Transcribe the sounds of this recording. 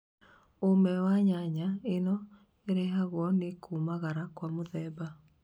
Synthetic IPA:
omɛwaɲaɲaenɔ | eɾeɦaɣwɔnekʰumaɣaɾakwamoðɛːba

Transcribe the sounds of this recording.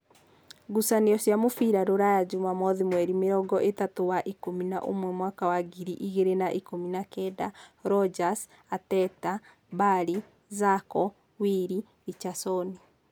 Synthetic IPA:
ɣusaneɔsjamofiɾaɾoɾajad͡ʑumamɔðimwɛɾimeɾɔɡɔʔetatowaʔikomina̰ʔo̰mwɛmwakawaɡiɾiʔiɣeɾenaʔikominakɛdaɾɔd͡ʒas | atɛta | baɾi | zakɔ | wiɾi | it͡ʃasɔni

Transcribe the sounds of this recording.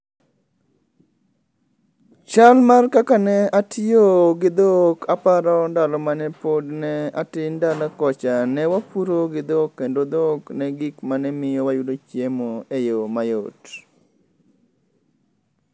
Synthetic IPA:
t͡ʃalmarkakanɛatɪjoɡɪd̪okʰapaɾɔndalɔmanɛpodnɛa̰tɪndalakɔt͡ʃanɛwapuɾoɡɪd̪okːendod̪oknɛɡɪkmanɛmɪjɔwajudot͡ʃjemoejomajot

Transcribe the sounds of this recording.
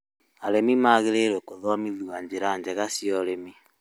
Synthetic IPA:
aɾemimaɣeɾeɾwɛkoðɔamiðuwaɲd͡ʑeɾaɲd͡ʑɛɣasjɔɾemi

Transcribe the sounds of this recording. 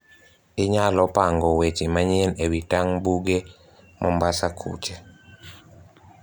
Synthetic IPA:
ɪɲalɔpaŋɡɔwet͡ʃimaɲenewitaŋbuɡe | mʔɔmbasakʰṵt͡ʃe

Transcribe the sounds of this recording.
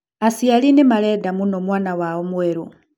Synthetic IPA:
asialinimalɛdamunomwaːnawaomweɾu

